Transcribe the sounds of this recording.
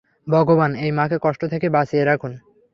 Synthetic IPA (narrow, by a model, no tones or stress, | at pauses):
bʱɔɡobanejmãkʰekɔʃʈot̪ʰekebasijeɾakʰun